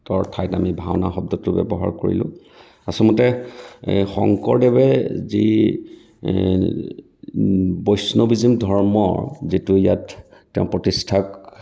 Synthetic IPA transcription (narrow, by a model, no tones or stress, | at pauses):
tɔɹtʰajtamibʱawnaxɔb̚dɔtʊbɛ̰bɔɦa̰ɹkoɹḭlʊ̰̃ | asɔmɔtɛ | xɔ̰ŋkɔɹdɛbɛzḭ | bɔjsnobizimdʱɔɹmɔzitʊjatː | ɛʊ̃pɹɔtistʰak